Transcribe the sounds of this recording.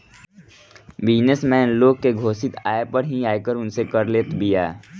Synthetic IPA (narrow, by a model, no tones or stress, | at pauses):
bɪd͡ʒnesmɛːnloːɡ̚keɡʱoːsɪt̪aːepəɾɦiaːekəɾʊnsekəɾleːt̪bʱiɛː